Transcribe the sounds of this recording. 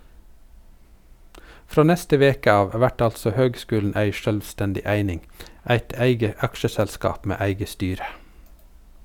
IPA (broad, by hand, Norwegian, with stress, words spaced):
ˈfɾoː ˈnɛstə ˈʋeːkə ˈɑːʋ ˈʋæʈ ˈɑltsɔ ˈhøːɡˌskʉːln̩ ˈæɪ ˈʃœlʋˌstɛndɪ ˈæɪnɪŋ ˈæɪt ˈæɪɡə ˈɑkʃəsɛlˌskɑːp ˈmeː ˈæɪɡə ˈstyːɾə